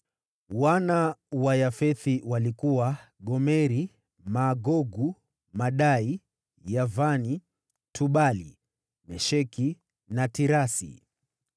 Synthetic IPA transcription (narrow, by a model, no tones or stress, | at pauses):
wanawajafɛθiwalikuwaɠɔmɛɾi | maːɡɔɡu | maɗai | javani | tʰuɓalḭ | mɛʃɛki | natiɾasḭ